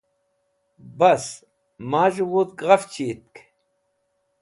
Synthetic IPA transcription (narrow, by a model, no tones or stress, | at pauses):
bɐs | maːʒuwot̪ɡʁɐft͡ɕʰiːt̪̚k